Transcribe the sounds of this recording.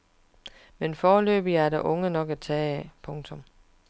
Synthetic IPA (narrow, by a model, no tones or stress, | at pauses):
menfɒːlø̰ːb̥iæɐɾæʔɔ̽ŋənɒ̽ɡ̥æt͡sʰɛːpʰɔ̽ŋt͡sʰɔ̽m